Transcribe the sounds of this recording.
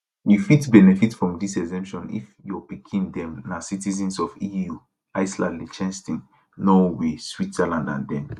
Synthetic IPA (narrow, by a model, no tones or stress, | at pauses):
wifitbɛnɛfitfɹɔ̃mdisɛzɛ̃mpʃɔ̃nḭfjɔpikʰĩndɛ̃mnasitizĩnsɔfiju | aɪsla̰lit͡ʃɛ̃nstĩn | nɔweswitsɛlãndã̰ndɛ̃m